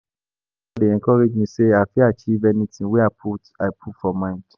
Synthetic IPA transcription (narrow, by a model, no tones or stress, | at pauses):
adeɛ̃ŋkɔɾed͡ʒmĩseafiat͡ʃivɛnĩtĩweapʰutaɪpʰutfɔmãd